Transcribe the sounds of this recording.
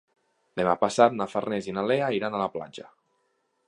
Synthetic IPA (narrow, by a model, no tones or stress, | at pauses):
d̪emapasat̪̚nafarnɛzinaleaiɾanalapla̰d͡ʒə